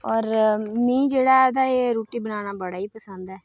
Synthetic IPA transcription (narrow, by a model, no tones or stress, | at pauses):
ɔːɾmĩːd͡ʒeːɽaːɛd̪aːeːɾoːʈiːbənaːnaːbəɽaːiːpəsənd̪ɛː